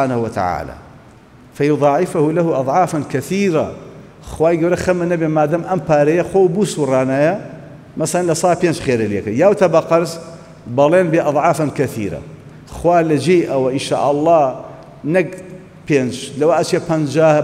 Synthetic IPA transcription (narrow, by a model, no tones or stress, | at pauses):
ħaːnahuwɐt̪a̰ʕa̰ːla̰ː | fɐjʊðˤɑːʕɪfahulahuʔɑd̪ˤʕɑːfankɐθiːɾa | xwaːjɡɐwɾexɐmːanɐbeːmaːd̪amʔɐmpaːɾejaxwoːwbuːsurˤaːnaːja | masalanlɐsˤɑːpeːnt͡ʃxeːɾɪljekajaːwt̪ɐbɑqɑɾs | bɑleːnbeːʔɑd̪ˤʕɑːfankɐθḭːɾa̰ | xwaːlad͡ʒiːʔawaʔɪnʃa̰ːʔɑlˤːɑː | nɐk | peːnt͡ʃlɐwaʔat͡ʃːapɐnd͡ʒaːh